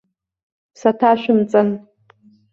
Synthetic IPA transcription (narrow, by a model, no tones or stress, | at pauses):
satʰaʃʷᶣɪmt͡sʼɨn